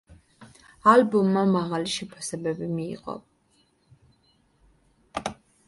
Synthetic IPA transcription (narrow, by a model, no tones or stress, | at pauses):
albɔmːamaʁaliʃɛpʰḁsɛbɛbimḭːʁʼɔ̰